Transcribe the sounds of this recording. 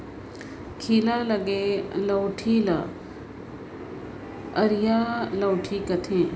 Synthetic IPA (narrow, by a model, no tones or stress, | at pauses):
kʰiːlaːlɐɡeːlɐwʈʰiːlɐ | əɾijaːlɐwʈʰiːkɐt̪ʰẽː